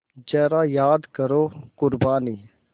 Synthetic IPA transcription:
d͡ʒɛːɾajaːd̪kəɾoːkʊɾbaːniː

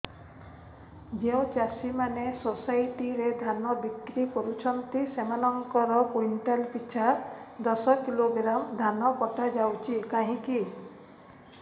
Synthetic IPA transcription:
d͡ʒeũt͡ʃasimanesosajʈiɾed̪ʱanɔbikɾikɔɾut͡ʃʰɔnt̪isemanɔŋkɔɾɔpoiɳʈalpit͡ʃʰad̪ɔsɔkiloɡɾamd̪ʱanɔpɔʈad͡ʒawt͡ʃʰikaɦĩki

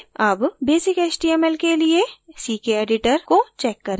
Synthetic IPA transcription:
aːpbeːsɪkeːt͡ʃʈiɛmɛːlkeliesiːkeeːɖɪʈəɾkot͡ʃɛːkːɐɾẽ

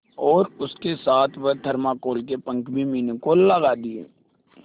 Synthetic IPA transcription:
ɔːɾʊskesaːt̪ʰʋəd̪ʱəɾmakoːlkepə̃ŋkbʱimiːnekoləɡad̪iḛː

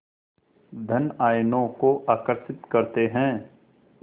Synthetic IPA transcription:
d̪ʱɐnaːjnõkoʔaːkəɾʃɪt̪kɐɾt̪eɦɛ̃ː

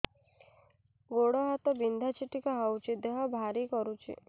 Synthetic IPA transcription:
ɡoɽɔɦat̪ɔbind̪ʱat͡ʃʰiʈikɔɦawt͡ʃʰid̪eɦɔbʱaɾikɔɾut͡ʃʰḭ

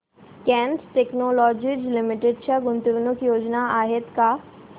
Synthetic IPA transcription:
kɛ̃ːnsʈeknoːlɔːd͡ʒid͡ʒlɪmɪʈeɖʃaɡʊnt̪uʋnʊkjoːd͡ʒnaaːɦɪt̪ka

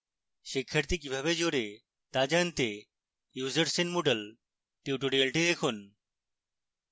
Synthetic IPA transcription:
ʃikʰːaɾt̪ikibʱaβed͡ʑoɾe | t̪ad͡ʑant̪e | juzəɾsinmoɖəl | ʈiwʈoɽiɐlʈid̪ekʰun

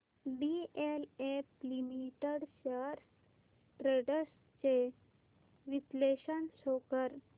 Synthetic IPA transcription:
ɖieleflimiʈəɽɕaɾ | ʈɾeɖəs | t͡ɕe | ʋipleɕənsokəɾ

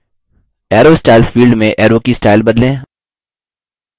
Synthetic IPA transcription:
ɛːɾoːsʈaːɪlfiːlɖmẽʔɛːɾoːkisʈaːɪlbɐd̪lẽː

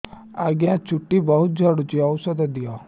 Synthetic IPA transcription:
aɡjãt͡ʃʊʈːibəɦʊt̪̚d͡ʒʱəɽut͡ʃiɐwsəd̪d̪ijɔ

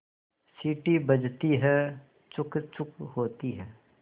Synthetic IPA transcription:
siːʈibɐd͡ʒt̪iɦɛ | t͡ʃʊkt͡ʃʊkɦoːt̪iɦɛː

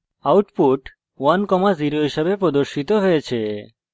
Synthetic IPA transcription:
awʈpuʈ | wankɔmaziɾoɦiʃebepɾod̪oɾʃit̪oɦojet͡ɕʰe

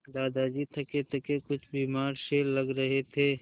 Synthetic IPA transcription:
d̪aːd̪ad͡ʒiːt̪ʰɐket̪ʰɐkekʊt͡ʃʰbiːmaːɾʃeːlːɐɡɾɐɦet̪ʰeː

